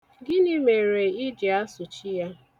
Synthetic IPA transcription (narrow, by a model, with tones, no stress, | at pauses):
ɡɪ˦nɪ˦me˨ɾe˨i˦d͡ʒi˨a˦sʊ˨t͡ʃi˦ja˦